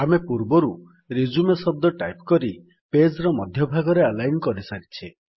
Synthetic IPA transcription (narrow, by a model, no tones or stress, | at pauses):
amepuɾbɔɾu | ɾid͡ʒumesɔb̚d̪ɔʈajpkɔɾi | ped͡ʒɾɔmɔd̪ʱjɔbʱaɡɔɾealajnkɔɾisaɾit͡ʃʰi